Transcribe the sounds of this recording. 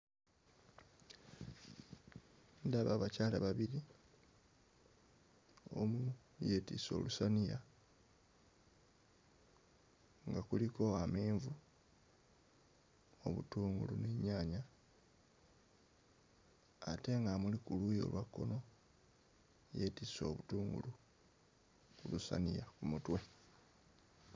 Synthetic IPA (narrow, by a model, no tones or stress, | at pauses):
ndaβaβacaːlaβaβiɾi | o̞̰mu | je̞tḭso̞̰ːlusanija̰ | ŋɡakuliko̞ameːɱvu | o̞βṵtuːŋɡṵluneɲaːɲa | ate̞ŋɡamulikulujo̞̰ːlwakːo̞̰no̞ | je̞tiso̞̰ːβutuːŋɡṵlu | kulusa̰nijakumutwe̞